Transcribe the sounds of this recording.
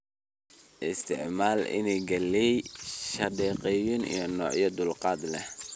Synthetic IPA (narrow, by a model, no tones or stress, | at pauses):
ʔɪst̪ʰɪʕmaːlɪ̰nɛɡɐlɛjʃɐdɛːqɛjʊnḭjɔnɔːʕjɐd̪ʊlqɑːd̪lɛh